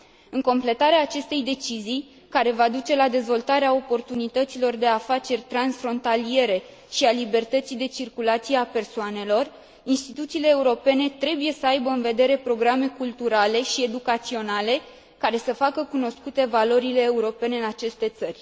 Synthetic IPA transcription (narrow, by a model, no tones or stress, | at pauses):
ɨŋko̞mple̞t̪aɾeaːt͡ʃe̞st̪e̞jd̪e̞t͡ʃizij | kaɾe̞vad̪ut͡ʃe̞lad̪e̞zvo̞lt̪aɾeao̞po̞rt̪unit̪ət̪silo̞rd̪e̞afat͡ʃe̞rʲt̪ɾansfɾo̞nt̪alie̞ɾe̞ | ʃialibe̞rt̪ət̪sijd̪e̞t͡ʃirkulat̪sijeape̞rsoane̞lo̞r | inst̪it̪ut̪siːle̞ːuɾo̞pe̞ne̞t̪ɾe̞buje̞səajbəɨnve̞d̪e̞ɾe̞pɾo̞ɡɾame̞kult̪uɾale̞ʃie̞d̪ukat̪sio̞nale̞ | kaɾe̞səfakəkuno̞skut̪e̞valo̞ɾile̞ːuɾo̞pe̞ne̞ɨnat͡ʃe̞st̪e̞t̪sərʲ